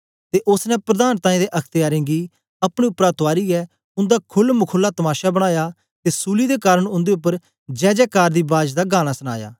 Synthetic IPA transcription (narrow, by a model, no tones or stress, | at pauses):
t̪eʔʊsnɛpɾəd̪aːnt̪ãːĩːd̪eʔɐkʰt̪ɪjaːɾɪ̃ɡi | ɐpɽ̃eʊpːɾat̪ʊaːɾiɛ | ʊ̃nd̪akʰʊlmʊkʰʊlːat̪ɐmaːʃabɐɽ̃aːjaː | t̪esuːlid̪ekaːɾəɽ̃ʊ̃nd̪eʊp̬ːəɾ | d͡ʒɛːd͡ʒɛːkaːɾd̪iːbaːd͡ʒd̪aɡaːñasəña̰ːja̰ː